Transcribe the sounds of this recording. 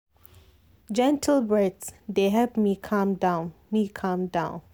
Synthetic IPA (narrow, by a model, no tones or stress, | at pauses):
d͡ʒɛ̃ntʰəlbɹɛdsd̪eɦɛvmikʰãmdãʊnmikʰãmdãʊ̃n